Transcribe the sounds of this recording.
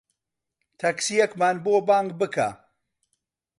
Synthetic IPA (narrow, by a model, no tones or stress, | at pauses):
t̪ʰɐksijɐkmaːnboːbaːŋɡ̚bɨkʰa̰ː